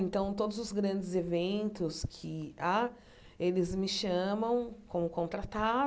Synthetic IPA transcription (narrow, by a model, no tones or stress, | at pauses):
ẽnt̪ɐ̃w̃t̪od̪ʊzʊzɡɾɐ̃nd͡ʒɪzevẽnt̪ʊskʰɪa | elɪzmɪʃɐ̃mɐ̃w̃kõmʊkõnt̪ɾat̪a